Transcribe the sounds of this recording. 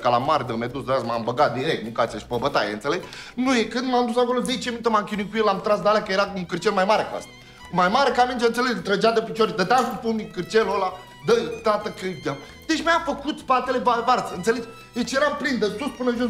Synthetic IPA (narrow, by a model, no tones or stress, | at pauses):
kala̰maɾd̪əmʲed̪usd̪azma̰mbəɡat̪̚d̪iɾek̚t̪mukat̪ijaʃi̥pəbət̪a̰jḛɨnt̪seleɡnujekɨnd̪mamd̪usako̞lozet͡ʃeminut̪əmamkʲinuikujelamt̪ɾasd̪alejakəjeɾauŋkɨrt͡ʃelmajmaɾekəa̰st̪ḁ | kumajmaɾekamind͡ʒeɨnt̪seleɡt̪ɾəd͡ʒad̪əpit͡ʃoɾid̪ət̪asupunnikɨrt͡ʃelola | d̪ət̪at̪əkɨd̪am | d̪̥et͡ʃmjafəkut̪spat̪elevavaɾt̪səɨnt̪seled͡ʒ | d̪et͡ʃjeɾamplind̪əsuspɨnəʒo